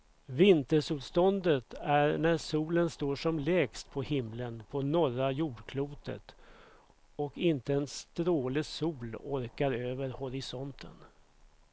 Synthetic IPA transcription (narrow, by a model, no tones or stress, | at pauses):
vɪnt̪əʂʉːt̪st̪ɔnd̪ət̪ʰæɾɳæɾʂuːlənst̪oːʂɔmlɛːkst̪pʰɔhɪmlənpʰɔnɔɾajuːɖkʰluːt̪ʰə̰t̪ | ɔkɪnt̪əɛnst̪ɾoːlɪsuːlɔɾkaɾøːvəɾhɔɾɪsɔnt̪ʰə̰n